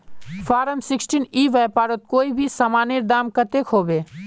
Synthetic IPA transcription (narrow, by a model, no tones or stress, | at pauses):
faːɾəmsɪksʈiniːʋɛːpaːɾot̪̚koːibʱisaːmaːniɾd̪aːmkət̪ekʰɦoːbeː